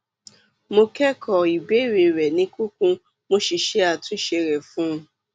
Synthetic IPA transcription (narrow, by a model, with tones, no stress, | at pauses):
mo˧kɛ˦kʰɔ˨i˨be˦we˨wɛ˨nĩ˦ku˦kũ˦ | mo˦ʃi˨ʃe˦a˨tʊ̃˦ʃe˨ɾe˨fũ˦˧